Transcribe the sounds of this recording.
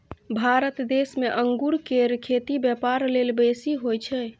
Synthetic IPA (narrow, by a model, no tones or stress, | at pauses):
bʱaɾət̪d̪esmeʔəŋɡuɾkeɾkʰet̪ibjɛpaɾlelbesiɦojt͡ʃʰɛ